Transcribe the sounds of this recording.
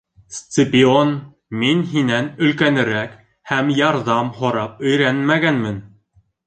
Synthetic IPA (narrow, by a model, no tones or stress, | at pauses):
st̪ɪpʲion | minɦinænɵ̆lkænɘ̆ɾæk | hæmjɑɾðɑmhŏɾɑp̚ɵ̆jɾænmæɡænmɘn